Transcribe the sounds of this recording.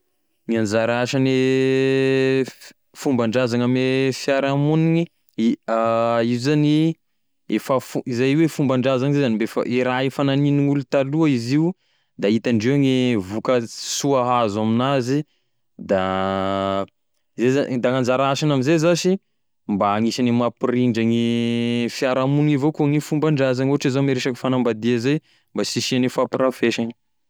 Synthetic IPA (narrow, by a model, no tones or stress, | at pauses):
ŋiand͡ʒaɾaaʃane | fumbaɳɖ͡ʐazaŋamefjaɾamuniɲi | aizzani | efəfuizajwefumbaɳɖ͡ʐazaŋizezanimbefa̰ʔiɾaefananiniŋulut̪aluaiziu | d̪ait̪aɳɖ͡ʐeŋevukəsuaɦazaminazi | d̪a | izezad̪aŋand͡ʒaɾaaʃanamizezaʃi | mbaːŋisanimapiriɳɖ͡ʐaŋi | fjaɾamunivokuŋefumbaɳɖ͡ʐazaŋoɦaʈ͡ʂizomeɾeʃakfanambad̪iazaj | mbasiʃianifapiɾafeʃani̥